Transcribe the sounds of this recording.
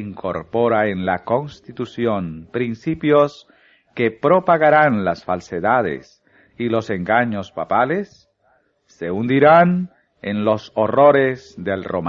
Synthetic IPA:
iŋkʰo̰ɾpoɾaenlako̞nst̪it̪usjonpɾinsipjos | kepɾopaɣaɾanlasfalseðað̞ḛs | ilo̞seŋɡaɲo̞spapalesː | eund̪iɾan | ḛnlo̞soroɾezðelrom

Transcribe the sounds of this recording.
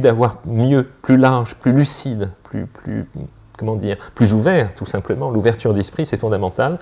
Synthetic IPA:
d̪avwaʁmjøplylaʁʒplylysid̪ply̰ply̰ | kɔmɑ̃d̪iːʁplyzuvɛʁt̪usɛ̃pləmɑ̃luvɛʁt̪yʁd̪ɛspχisɛfɔ̃d̪amɑ̃t̪al

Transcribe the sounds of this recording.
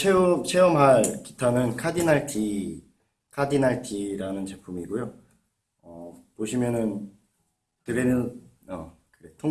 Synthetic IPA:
t͡ɕʰeumt͡ɕʰeʌmɦaɭki̥tʰanɯnkʰadinaɭtʰi | kʰadinaɭtʰiɾanɯnt͡ɕe̞pʰumiɡujo | ʌpoɕʰimjʌnɯn | tɯɾenɯn | ʌ̰ | kɯɾetʰo

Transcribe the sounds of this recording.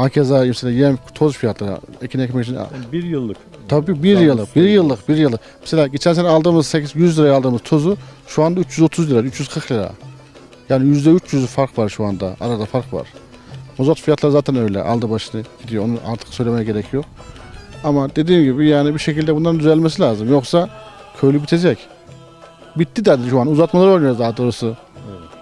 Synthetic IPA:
maːcʰezamɛselʲaːjɛmt̪ʰo̞zfijat̪ʰlˠaɾɯ̰ecʰinɛcʰmɛcit͡ʃʰin̰jɯlˠːɯk | t̪ʰabbiːbiɾjɯlˠːɯqbiɾjɯlˠːɯqbiɾjɯlˠːɯ | mɛ̥selʲaːɟit͡ʃʰɛnsenɛalˠd̪ɯmɯzsecizjyzlʲiɾajalˠd̪ɯmɯz̥t̪ʰo̞zu | ʃuand̪ayt͡ʃjyzo̞t̪ʰuzlʲiɾayt͡ʃʰjyz̥kʰɯɾklʲiɾa̰ | jaːnijyzd̪ɛyt͡ʃjyzyfaɾqvaɾʃuand̪a̰a̰ɾad̪afaɾqva̰ɾ̥ | mozat̪fijat̪lˠaɾɯzaːt̪ʰænø̞jlʲɛ̰ʔa̰lˠd̪ɯbaʃɯnɯɟ̥id̪ijoonuʔa̰ɾt̪ʰɯ̥ksø̞jlʲemɛjɟe̞ɾɛcʰijo̞q | amad̪e̞d̪iːmɟibijaːnibiʃecʰilʲd̪ɛbunaɾnd̪yzælʲmesilʲaːzɯmjo̞xsakʰøjlʲybit̪ʰe̞d͡ʒɛc | bit̪ːid̪ad̪iɾʃuanuzat̪malˠaɾolʲjzd̪aɦad̪o̞ːɾasɯ

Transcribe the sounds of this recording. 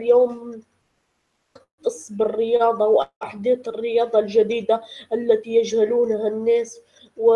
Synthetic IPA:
ljoːm | t̪ɑsˤbɪrːɪjɑːd̪ˤɑwʔaħd̪eːt̪ɪrːɪjɑːd̪ˤɑlʒad̪iːd̪aʔalːat̪ijaʒhaluːnhanːeːs | wɪ

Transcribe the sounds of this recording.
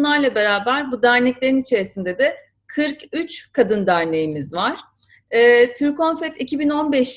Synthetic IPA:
lˠaɾlˠabe̞ɾaːbæɾbud̪æɾnɛclʲe̞ɾinit͡ʃʰe̞ɾisind̪ed̪ɛ | kʰɯɾkyt͡ʃkʰad̪ɯnd̪æɾne̞jimizvaɾ̥ | ɛːt̪ʰyɾkonfɛt̪ʰicʰibino̞nbɛʃ

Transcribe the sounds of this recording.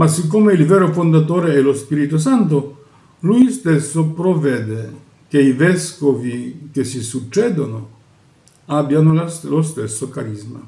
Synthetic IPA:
masikːomeilvɛːɾofond̪at̪oːɾeɛlospiɾit̪os̬ant̪̬ʊ | lujst̪esːopɾovɛːd̪e | k̟eivɛskovik̟esisut͡ʃːɛːd̪ono | abːjanollost̪esːokaɾizma

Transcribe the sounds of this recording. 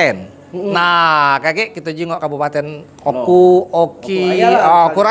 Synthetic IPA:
ɛn | nakakɛʔkit̪ud͡ʒiŋɔʔkabupat̪ɛn | okuokiɔkuɾa

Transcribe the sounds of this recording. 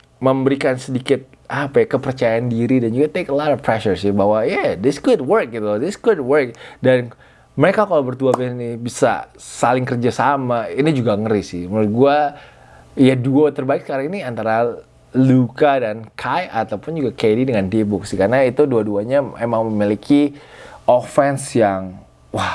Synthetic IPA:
məmbəɾikansədikɪt̪̚ | ʔapajakəpərt͡ʃajaandiɾidand͡ʒuɡat̪ekəlɔtɔfpɾɛʃərsɪbawajɛdɪsɡʊd̚wərk̚it̪udɪsɡ̥ʊd̚wərk̚dan | məɾekakalawbərt̪uabɛnibisa̰salɪŋkərd͡ʒasamainid͡ʒuɡaŋəɾisɪhməɾʊt̪̚ɡua | jaduot̪ərbaɪksə̥kaɾaŋiniant̪aɾa | lukadankʰajʔat̪awpʊnd͡ʒuɡakedidəŋandebʊk̚sɪhkarnait̪uduaduaɲamemaŋməmilikʰiɔfɛnsjaŋ | wah

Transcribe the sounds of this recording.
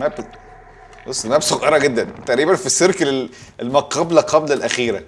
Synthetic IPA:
mæb | bosˤːmæbsoɣʔɑɾˤɑɡed̪ːænt̪æʔɾiːbænfisːeɾkæle | ʔelmæqɑblæqʰɑblælʔæxiːɾæ

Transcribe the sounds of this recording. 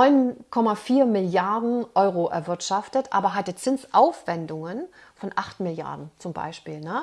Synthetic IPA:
ɔʏnkʰɔmafiːɐmɪljaɐdn̩ʔɔʏʁoʔɛ̰ɐvɪɐtʃaftətʔa̰ːbɐɦatət͡sɪnsʔaʊfv̥ɛndʊŋən | fɔnʔaχtmɪlja̰ɐdn̩t͡sʊmba̰ɪʃpiːlnə

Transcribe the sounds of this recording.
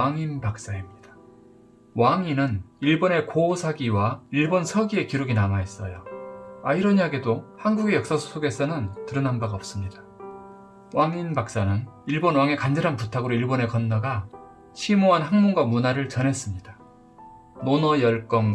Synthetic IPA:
aŋinbak̚s͈aɦemɲid̥ḁ | waŋinɯniɭbone̞kosʰaɡiwaiɭbonsʰʌɡie̞kiɾoɡinamaes͈ʌjoaiɾʌɲaɡedohanɡuɡejʌk̚s͈asʰu̥sʰoɡe̞sʰʌnɯntɯɾɯnambaɡaʌp̚s͈ɯmɲida | waŋinbak̚s͈anɯniɭbonwaŋe̞kand͡ʑeɾɦanputʰaɡɯɾoiɭbone̞kʌnːʌɡa | t͡ɕʰimoɦanɦaŋmonɡwamunaɾɯɭt͡ɕʌnɦe̞s͈ɯmɲid̥a | nonʌjʌɭk͈ʌm

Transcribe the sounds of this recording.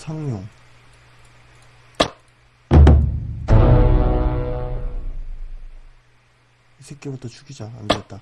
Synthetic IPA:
sʰaŋɲoŋ | isʰek͈ebutʰʌt͡ɕʰuɡʰid͡ʑaa̰nɡeet̚t͈a

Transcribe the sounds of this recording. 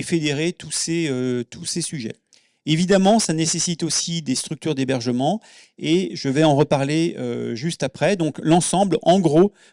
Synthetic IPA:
fed̪eʁet̪useøt̪ʰusesyʒɛ̰ | evid̪amɑ̃sanesesit̪osid̪est̪χyk̚t̪yʁd̪ebɛʁʒəmɑ̃ | eʒəvɛɑ̃ʁəpaʁleø̰ʒyst̪apχɛd̪ɔ̃klɑ̃sɑ̃blɑ̃ɡʁo

